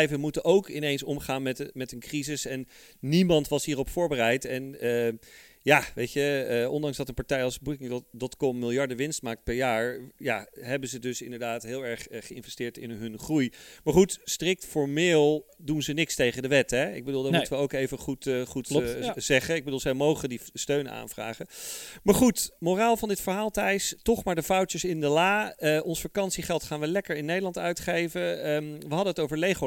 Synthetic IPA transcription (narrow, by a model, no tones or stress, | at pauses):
jvəmutənʔowkɪnejnsɔmχaːnmɛtmɛtənkrizɪsɛnː | imɑntʋɑsɦiːrɔpfʊːɹbərɛjtɛnəjaʋejtəɔndɑŋzdɑtənpɑɹtɛjɑlˠsbukɪŋdɔtkɔmːɪlˠjɑɹdəʋɪnstmaːk̚t̚pɛɹjaːɹjaɦɛbənzədɵsɪndəɹdaːtɦɪːlˠɛɹχχəɪnvɛstɪːɹtɪnɦɵnχrujmaɹχutstrɪk̚tfɔɹmɪːlˠ | dunzənɪkstejχəndəʋɛtɦɛɪ̰ɡ̚bədulˠdɑtmutəʋəowkejvəχutχutzɛχəɪɡ̚bədulˠzəjmowχəndistøɥna̰ːnvra̰ːχəmaːɹχutmoraːlˠvɑndɪtfəɹɦaːlˠtɛjstɔχmaːɹdəfɔwtəsɪndəlaːʔɔnsfakɑnsiχɛlˠtχaːnʋəlɛkəɹɪnːejdəlɑntœɥtχejvəʋəɦɑdənɦətowvəɹlejχo